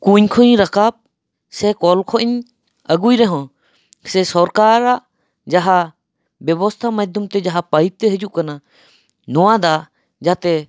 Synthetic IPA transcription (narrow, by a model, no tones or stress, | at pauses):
kuɲkʰɔɲɾakab̚ | sɛkɔlkʰɔʔiɲ | əɡujɾɛɦɔ̃ | sɛsɔɾkaɾaʔ | d͡ʒaɦa | bjɛbɔst̪ʰamajd̪ʱumt̪ɛd͡ʒaɦapajt̪ːɛɦəd͡ʒuʔkana | nɔwad̪a | d͡ʒat̪ɛ